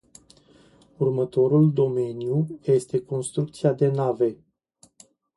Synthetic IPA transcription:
urmət̪o̞ɾuld̪o̞me̞njuje̞st̪e̞ko̞nst̪ɾuk̚t̪siad̪e̞nave̞

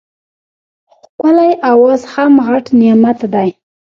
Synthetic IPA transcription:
x | kəlajawozhamɣaʈnimat̪d̪aj

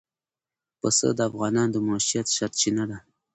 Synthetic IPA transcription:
pəsə̰d̪əafɣɑnɑnd̪əmɑʃijat̪ʃaɾt̪̚t͡ʃinad̪a

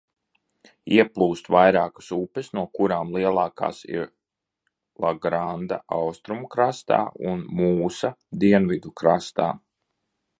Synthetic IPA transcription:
iɛplˠuːst̪ʋajɾaːkḁsupɛsnuɔkuɾaːmlˠiɛlˠɑːka̰ːsḭɾ | lˠaɡɾand̪a̰ʔawst̪ɾumkɾast̪a̰ːṵnmuːsad̪iɛnvid̪ukɾast̪a̰ː

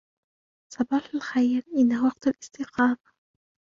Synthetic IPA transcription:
sˤɑbɑːħalxajɾʔɪnːahwɑqt̪alʔɪst̪ɪqɑːma

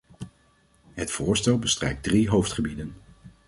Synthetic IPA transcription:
ɦətfʊːɹstɛlˠbəstrɛ̰jk̚driɦowftχəbidən

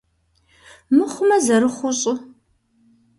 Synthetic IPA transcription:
mɨχʷʊmɐzɐɾɨχʷʊɕʼɪ

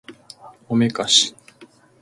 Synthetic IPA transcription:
omekaɕi̥

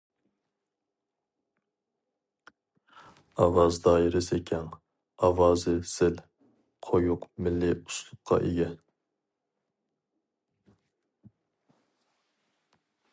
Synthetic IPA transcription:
ɑwɑzd̪ɑːjiɾɪsekʲʰɛn | ɑwɑːzɨsɪl | qʰojuqmɪlːɪu̥slˠʊqʰːɑ̰ʔeɡʲɛ

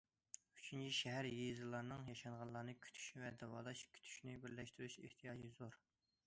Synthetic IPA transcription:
yt͡ʃʰynt͡ʃʰiʃɛɦæɾjezɨlˠɑɾnɨŋjɑʃɑɴʁɑnlˠɑɾnɨkʲʰy̥t̪ʰy̥ʃnvɛd̪ɛwɑ̰ːlˠɑʃkʲʰy̥t̪ʰy̥ʃnɪbɪɾlɛʃt̪yɾyʃḛht̪ʰijɑːd͡ʒizoɾ

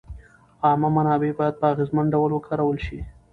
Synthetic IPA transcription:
ɑmamanɑbebɑjad̪̚pəaɣezmaɳɖawəlwəkʰɑɾawəlʃi

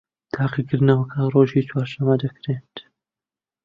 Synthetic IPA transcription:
t̪ʰaːqikɨɾd̪nɐwɐkʰɐroːʒiːt͡ʃʰwaːɾʃɐmɐd̪ɐkɾet̪

